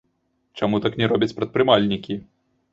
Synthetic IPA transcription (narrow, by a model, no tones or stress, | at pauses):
t͡ʂamut̪aknʲɛɾɔbʲɐt͡sʲpɾɐt̪̚pɾɨmalʲnʲikʲi